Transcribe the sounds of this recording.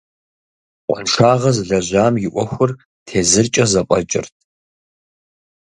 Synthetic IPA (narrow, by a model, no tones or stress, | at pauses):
qʷʼɔ̰nʂaːʁɐzɮɐʑaːmjɪʔʷɔxʷʊr | tʰeːzɨrt͡ʃʼɐzɐpʷʼɐt͡ʃʼɪ̰rtʰ